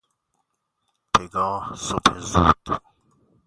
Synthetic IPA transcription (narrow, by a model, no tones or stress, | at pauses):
pʰeɡɒːhsophezuːd̪̥